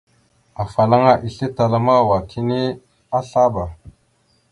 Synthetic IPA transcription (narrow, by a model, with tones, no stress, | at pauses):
a˨fa˨la˦ŋa˦ʔi˨ɬe˦ta˨la˦ma˦˨wa˨kʰi˦ne˦ | a˦ɬa˦ba˨